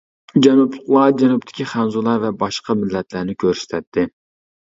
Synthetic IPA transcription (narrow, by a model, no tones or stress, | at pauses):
d͡ʒɛnuplˠʊχlˠɑd͡ʒɛnup̚t̪ʰɪ̥kʲiχænzulˠɑɾvɛbɑʃqɑmɪlːɛt̪læɾnɪkʲʰøɾsɪ̥t̪ʰɛt̪ʰːɪ